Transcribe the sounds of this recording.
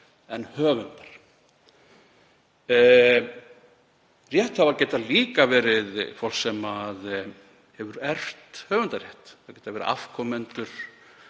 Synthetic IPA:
ɛnhœːvʏnt̪ḁɾ̥ | rjɛht̪havacɛt̪aliːkavɛːɾɪðfɔwl̥ksɛmað | hɛvʏɾɛr̥t̪hœːvʏnt̪ar̥jɛht̪acɛjt̪avɛːɾɪ̰ʔa̰fkʰɔmɛnt̪ʏɾ̥

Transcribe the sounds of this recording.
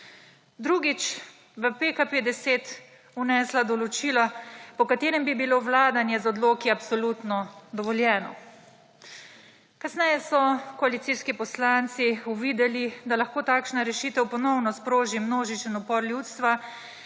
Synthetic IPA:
d̪ɾuɡit͡ʃ | ʋəpekapeːd̪ɛseːt̪ | unɛslad̪ɔlɔt͡ʃiːlɔpɔkat̪eːɾɛmbibiloːʋlaːd̪anjɛzɔd̪loːkiapsɔlut̪nɔd̪ɔʋɔljɛːnɔ̰ | kasnɛjɛsɔkɔalit̪siskipɔslant̪siuʋiːd̪ɛlid̪alaxkoːt̪aːkʃnaɾɛʃiːt̪ɛwpɔnɔwnɔspɾoːʒimnoːʒit͡ʃinɔpɔɾlʲjut̪st̪ʋa

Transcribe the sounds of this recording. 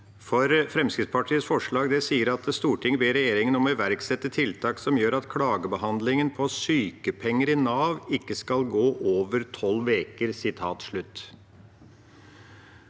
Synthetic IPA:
fɔɾfɾɛmskɾɪd̪spʰɑʈʰiːəsfɔʂɭɑːɡd̪ɛsiːəɾɑt̪st̪uːʈʰɪŋːəbeːɾɛjeːɾɪŋənɔmɔɪʋæɾksɛt̪ːət̪ʰɪlt̪ʰɑːksɔmjøːɾɑt̪kʰɽɑːɡəbəɦɑnd̪lɪŋənpʰɔsyːkəpʰɛŋːəɾɪnɑːʋɪkːəskɑlɡoːʔoːʋəɾt̪ʰɔlːʋeːkəɾsɪt̪ʰɑːt̪ʂɭʉt̪ː

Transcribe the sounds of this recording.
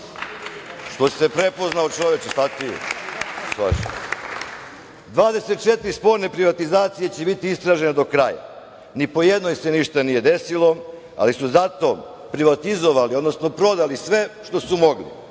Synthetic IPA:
ʃt̪o̞se̞pɾe̞po̞znaot͡ʃo̞ʋet͡ɕesat̪i | sa̰ʃ | d̪ʋaːd̪e̞set̪̚t͡ʃe̞t̪ɾispo̞ɾne̞pɾiʋat̪izaːt̪sije̞t͡ɕe̞bit̪iist̪ɾaːʒe̞ned̪o̞kɾaja̰ | nipo̞jed̪nojse̞niʃt̪anije̞d̪e̞silˠo̞ | a̰lisuzat̪o̞ | pɾiʋat̪izoʋalio̞d̪no̞sno̞pɾo̞d̪alisʋe̞ʃt̪o̞sumo̞ɡlḭ

